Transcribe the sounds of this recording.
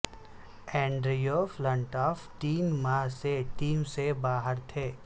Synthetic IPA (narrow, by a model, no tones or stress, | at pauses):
ɛ̃ːɳɖɾijoːflə̃ɳʈɔːft̪iːnmaːɦseʈiːmsebaːɦəɾt̪ʰeː